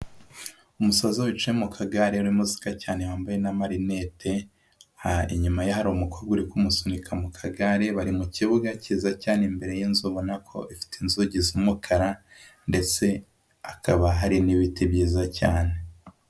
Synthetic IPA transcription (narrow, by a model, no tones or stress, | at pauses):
umusazoβit͡ʃujemukʰaɡaɾeuɾimuzi̥kacaːnewaːmbaje̞namaɾine̞tʰe̞ | haiɲumajahaɾomukʰoɾɡuɾikumusunikʰamukʰaɡaɾeβaɾimuciβuɡacizacaːnembe̞ɾe̞jinzuβo̞nakʰo̞̰ʔifi̥tinzuɟizumukʰaɾande̞t͡se̞ | akʰaβaɦaɾiniβitibɟizacaːne